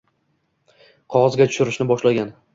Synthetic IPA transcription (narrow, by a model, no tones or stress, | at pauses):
qʰɒʁɒzɡʲat̪ʰʊ̥ʃʊɾɪʃnɪbɒʃlaɡʲan